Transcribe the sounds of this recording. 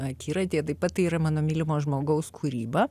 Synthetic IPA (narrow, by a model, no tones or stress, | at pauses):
ɐkʲiːɾɐt̪ʲeːt̪ɐɪpɐt̪̚t̪ɐɪiɾɐmɑːnoːmʲiːlʲɪmoːʒmoːɡɐʊskʰuːɾʲiːbɐ